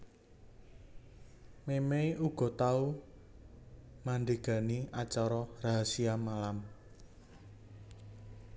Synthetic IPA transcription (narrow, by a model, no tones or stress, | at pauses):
memeuɡ̥ɔ̤t̪au | manɖeɡ̥a̤niʔat͡ʃɔɾɔraɦasiamalam